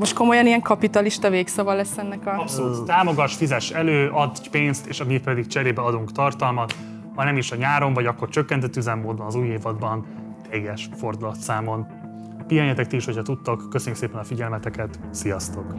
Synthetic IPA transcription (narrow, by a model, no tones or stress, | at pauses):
moʃt̪̚ko̞mo̞jɒnijɛŋkɒpit̪ɒliʃt̪ɒveːksɒvɒlɛsːɛnːɛkɒɒpsouːt̪t̪aːmo̞ɡɒʃfizɛʃɛløːʔɒd̪peːnst̪eːʃɒmipɛd̪ikt͡ʃɛɾeːbɛɒd̪uŋkt̪ɒrt̪ɒlmɒt̪ | hɒjnɛmiʃɒɲaːɾo̞ɱvɒɟɒkːo̞rt͡ʃø̞kːɛnt̪ɛt̪ːyzɛmːoːd̪̚bɒnɒzuːjeːvɒd̪bɒn | t̪eːɡɛʃfo̞rd̪ulɒt̪saːmo̞n | pijɒɲɛt̪ɛk̚t̪iiʃho̞cʰɒt̪ut̪ːokːøsøɲːykseːpɛnɒfiɟɛlmɛt̪ɛkɛt̪sijɒst̪o̞k